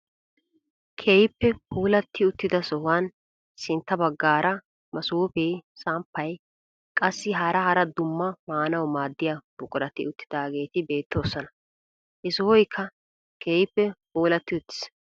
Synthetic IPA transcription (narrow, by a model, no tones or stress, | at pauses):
kʰeːjɪpːɛhuːlɐt̪ːɪʊt̪ːɪd̪ɐsɔhʊaːn | sɪnt̪ːɐbɐɡːaːɾʔɐ | mɐsuːpeːsaːmpːɐj | kʼɐsːɪɦaːɾɐhɐɾɐd̪ʊmːɐmaːnɐwmaːd̪ːɪjab̥ʊkʼʊɾɐt̪ɪ̰ʊt̪ːɪd̪aːɡe̞ːt̪ɪbe̞ːt̪ʰːo̞ːsɔnɐ | ʔɪsɔhɔjkʰːɐ | kʰeːjɪpːɛhuːlɐt̪ːɪʊt̪ːɪ̥s